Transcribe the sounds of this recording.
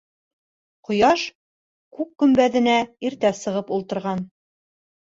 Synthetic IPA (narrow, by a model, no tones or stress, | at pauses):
qŏjɑʃ | kʉkkɵ̆mbæðɘ̆næiɾt̪æsɤ̆ʁɤpulˠt̪ɤ̆ɾʁɑn